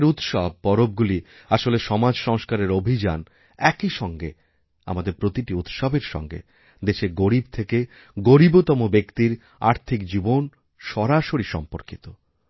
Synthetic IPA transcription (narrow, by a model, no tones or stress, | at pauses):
ɾut̪ʃɔb̚pɔɾob̚ɡuli | aʃoleʃɔmad͡ʑʃɔŋʃkaɾeɾobʱid͡ʑan | ɛkiʃɔŋɡe | a̰mad̪eɾpɾot̪iʈiut̪ʃɔbeɾʃɔ̰ŋɡḛ | d̪eʃeɾɡoɾib̚t̪ʰeke | ɡoɾibot̪ɔmobekt̪iɾ | a̰ɾt̪ʰikd͡ʑibon | ʃɔɾaʃoɾiʃɔ̰mpoɾkit̪o